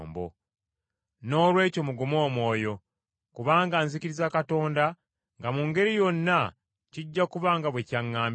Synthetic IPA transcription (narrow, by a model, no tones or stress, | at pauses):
mbo̰ | no̞ːlwe̞ːco̞muɡumo̞ːmwo̞ːjo̞ | kuβaːŋɡaːnziciɾizakato̞ːnda | ŋɡamuŋɡe̞ɾijo̞nːa | ciɟːakuβaːŋɡaβwe̞caŋːaːm